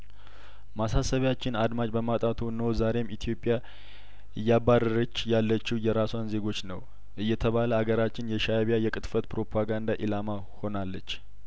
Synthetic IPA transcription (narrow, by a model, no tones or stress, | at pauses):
masasəβjat͡ʃːɪnad̪mat͡ʃʼbəmat̪ʼat̪ʰunəwzaɾe̞mʔit̪ʰijo̞pʼːja | ɨjːabːarəɾət͡ʃːjalːət͡ʃːijɛɾasanze̞ɡo̞t͡ʃːnəw | ʔɨjːɛt̪ʰəβaləaɡəɾat͡ʃːɪnjɛʃaβjajɛkʼɨt̪ʼfət̪pɾo̞pʰaɡand̪aʔilama | ho̞nalːət͡ʃː